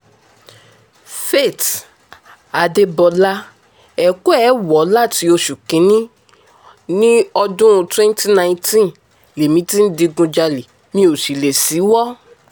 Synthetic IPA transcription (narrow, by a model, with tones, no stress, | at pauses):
fe˦˨t | a˨de˧bɔ˨la˦˧ | ɛ˨ko˦ɛ˨˦wɔ˨˦la˦˨ti˨˧o˧ʃu˨kĩ˨˦nĩ˦ | nĩ˦ɔ˧dũ˦ũ˧twɛ̃˦n˦ti˦nã˧j̃tĩ˦n | le˨mĩ˨˦ti˦n̩˦di˧ɡũ˧d͡ʒa˧le˨ | mĩ˧o˨ʃi˨le˨si˨˦wɔ˦